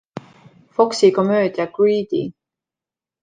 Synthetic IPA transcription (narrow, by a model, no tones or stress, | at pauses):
fo̞ksiko̞mø̞ːd̪̥jɑɡɹiːd̪ḭ